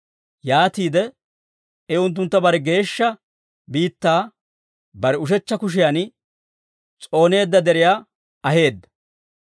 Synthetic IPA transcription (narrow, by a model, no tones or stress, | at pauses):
jaːt̪iːd̪ɛ | ɛʊnt̪̬ːʊnt̪ːɐbɐɾɛɡe̞ːʃːɐ | biːt̪ːaː | bɐɾɛʊʃ̬ɛt͡ʃːɐkʊʃ̬ɪjaːn | t͡sʼo̞ːne̞ːd̪ːɐd̪ɛɾɪjaː | ɐhe̞ːd̪ːɐ̥